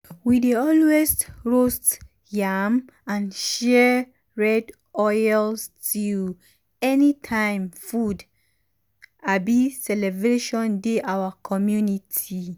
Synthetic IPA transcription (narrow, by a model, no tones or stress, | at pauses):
wideɔlɛstɹost | jam | ãnʃɛ | ɹɛd | ɔjlstu | ɛnitʰãɪ̃mfud | abisɛlɛbɹeʃɔ̃ndeʔawakʰɔmjunitʰi